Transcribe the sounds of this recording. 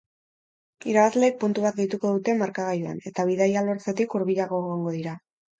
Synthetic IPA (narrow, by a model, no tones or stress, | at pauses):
iɾaβazle̞ːk̚punt̪uβ̞at̪̚ɡejt̪uko̞ðut̪e̞maɾkaɣajua̰ne̞t̪aβ̞iðajalo̞ɾt͡set̪ikuɾβiʎaɣo̞eɣoŋɡo̞ðiɾa